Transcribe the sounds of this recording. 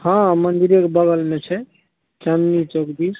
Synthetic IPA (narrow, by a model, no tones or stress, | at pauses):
hãmənd̪iɾekebəɡəlmet͡ʃʰɛ | t͡ʃamnit͡ʃokd̪is